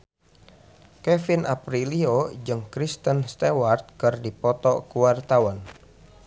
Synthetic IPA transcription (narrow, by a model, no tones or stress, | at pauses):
kɛfinʔapɾiliod͡ʒɨŋkɾist̪ənst̪ewart̪̚kɨrdipɔt̪ɔkuwart̪awan